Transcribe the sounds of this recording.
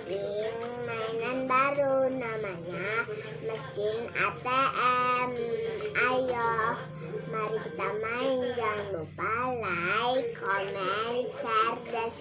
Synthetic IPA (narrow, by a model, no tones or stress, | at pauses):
iŋmaɛnanbaɾunamaɲa | məsɪna̰t̪eʔɛmajɔh | maɾikit̪amaɛnd͡ʒaŋlupalajkʰɔmɛnsɛrdɛs